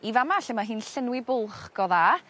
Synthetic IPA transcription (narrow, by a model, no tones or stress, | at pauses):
ivamaɬɪmaɦiːnɬɪnwɪbʊlˠχɡ̥ɔða